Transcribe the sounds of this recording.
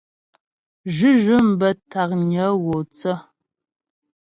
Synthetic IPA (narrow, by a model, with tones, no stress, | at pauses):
ʒʉ˦ʒɨ˦m̩˦bə˨tʰa˨q̚ɲə˨˦ɣo˨t͡sə˦